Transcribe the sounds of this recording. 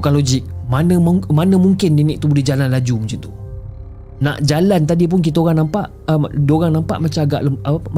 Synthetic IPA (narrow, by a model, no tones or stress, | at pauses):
kanlod͡ʒɪk̚manəmmanə̃muŋkɪndinɪk̚t̪ubolɛhd͡ʒalanlad͡ʒumut͡ʃunt̪u | na̰ʔd͡ʒalant̪̬adip̬ʊnk̬it̪̬aoɣaŋnampaʔ | ədoɣaŋnãmpa̰ʔmat͡ʃamaɡa̰ʔlaaap